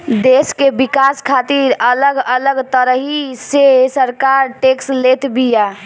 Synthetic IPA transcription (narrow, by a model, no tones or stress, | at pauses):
d̪eskebikaskʰat̪iɾələɡələɡt̪əɾəɦisesəɾkaɾʈekslet̪bija